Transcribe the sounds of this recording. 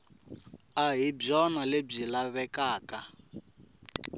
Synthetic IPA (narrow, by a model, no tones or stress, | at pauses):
aɦib͡ʐɔnaleb͡ʐilaβɛkaːka